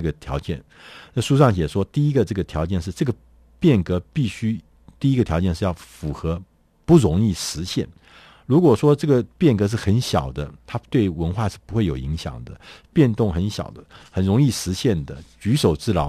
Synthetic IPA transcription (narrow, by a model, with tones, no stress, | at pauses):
ə˥˩ɡə˩t̪ʰjɑ˧˥ʊt͡ɕjɛ̰˥˩n | na˥˧ʂu˥˧ʂ̬ɑ˥˩ŋɕ̬jɛ˨˩ʂwɔ˥t̪i˥˩i˥ɡə˨ʈ͡ʂɤ˥˩ɡə˩t̪ʰjɑ˧˥ʊt͡ɕjɛ˥˧nʂ̬ɻ̩˥˧ʈ͡ʂɤ˥˩ɡə˩ | pjɛ˥˩nkɤ˧˥pi˥˩ɕy˥ | t̪i˥˩i˥ɡə˧t̪ʰjɑ˧˥ʊt͡ɕjɛ˥˧nʂ̬ɻ̩˥˧jɑ˥˩ʊfu˨˩xɤ˧˥ | pu˥˩ɻʊ˧˥ŋi˥˩ʂɻ̩˧˥ɕjɛ̰˥˩n | ɻu˧˥kwɔ˨˩ʂwɔ˥ʈ͡ʂɤ˥˩ɡə˩pjɛ˥˩nkɤ˧˥ʂ̬ɻ̩˥˩xə˧˥nɕjɑ̰˨˩ʊd̪ə˦t̪ʰa˥t̪we˥˩ɪwə˧˥nxwa˥˧ʂɻ̩˥˩pu˧˥xwe˥˩ɪjo˨˩ʊḭ˧˥ŋɕjɑ̰˨˩ŋd̪ə˦pjɛ˥˧nt̪ʊ˥˩ŋxə˧˥nɕjɑ̰˨˩ʊd̪ə˦xə˨˩nɻʊ˧˥ŋi˥˩ʂɻ̩˧˥ɕjɛ˥˩nd̪ə̰˩t͡ɕy˧˥ʂo˨˩ʊʈ͡ʂɻ̩˥˩lɑ˧˥ʊ